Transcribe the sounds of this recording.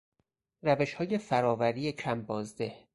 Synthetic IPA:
ræve̞ʃhɒːje̞fæɾɒːvæɾiːecʰæmbɒːzd̪eh

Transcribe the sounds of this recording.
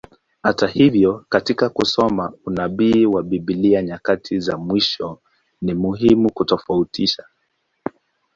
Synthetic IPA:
hatahivjɔkatikakusɔmaunaɓiːwaɓiɓiliaɲakatʰizamwiʃɔ | nimuɦimukutɔfautʰiʃa

